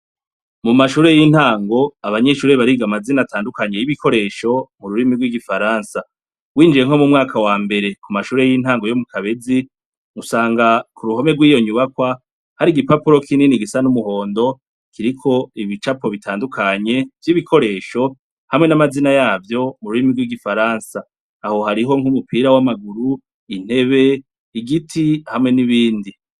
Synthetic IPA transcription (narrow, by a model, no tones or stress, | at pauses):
mumaʃuːɾe̞jin̥haːŋɡo̞aβaɲe̞ʃuːɾe̞βaɾiɡamazinataːndukaɲe̞jiβikʰo̞ɾe̞ːʃo̞muɾuɾimiɡwiɡifaɾaːnsa | ɡwiːnd͡ʒiɾe̞ŋ̥ho̞mumŋaːkawaːmbe̞ɾe̞kumaʃuːɾe̞jin̥haːŋɡo̞jo̞mukaβe̞d͡zi | ŋusaːŋɡakuɾuho̞meɡwiːjo̞ɲuβakwa | haɾiɡipapuɾo̞kʰininiɡisanumuho̞ːndo̞ | kiɾikʰo̞iβit͡ʃapo̞βitʰaːndukʰaɲe̞vjiβikʰo̞ɾe̞ːʃo̞ | hamŋe̞namazinajaːvjo̞muɾuɾimiɾɡwiɡifaɾaːnsaː | ho̞haɾiɦo̞ŋ̥humupiːɾawamaɡuɾu | in̥he̞βe̞ | iɡitʰihamŋe̞niβiːndi